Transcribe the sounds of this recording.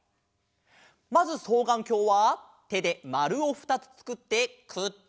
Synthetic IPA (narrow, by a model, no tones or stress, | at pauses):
mazɨso̞ːɡãŋkʲo̞ːβa | t̪e̞d̪e̞maɾɯ̟o̞ɸɯ̟̥t̪at͡sɨ̥t͡sɨ̥kɯ̟t̪ːe̞kʰɯ̟